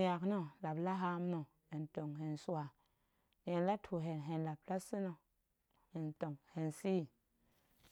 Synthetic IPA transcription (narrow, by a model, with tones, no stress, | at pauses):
a˨kno˦la˨bla˦ɦa˦m˦no˨ | e˨nto˨ŋɦe˨nsu˦wa˨ | n˨e˨nla˦tʰu˨ɦe˨nɦe˨nla˨b̚la˦si˦no˧ | he˨nto˨ŋhe˨nsi˦˨